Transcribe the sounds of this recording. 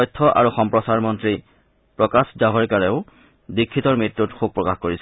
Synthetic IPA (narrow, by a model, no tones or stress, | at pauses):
ɔjtʰːɔʔa̰ɹuxɔmpɹɔsaɹmɔntɹi | pɹɔkaszaɦɔɹkaɹɛʊ | dikʰːitɔɹmɹitɹutxuɡ̚pɹɔkaxkoɹisɛ